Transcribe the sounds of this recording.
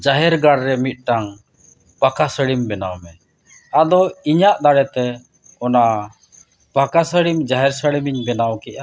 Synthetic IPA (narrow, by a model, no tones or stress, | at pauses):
d͡ʒaɦɛɾɡaɽɾɛmit̪̚ˀʈaŋ | pakasəɽimbɛna̰wmɛ | ad̪ɔiɲaʔd̪aɽɛt̪ɛ | ɔna | pakasəɽimd͡ʒaɦɛɾsəɽimiɲbɛnawkɛʔa